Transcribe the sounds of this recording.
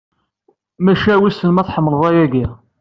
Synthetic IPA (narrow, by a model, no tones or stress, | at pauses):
mæʃæwisənmæθħəmːəlðˤɑjæɡi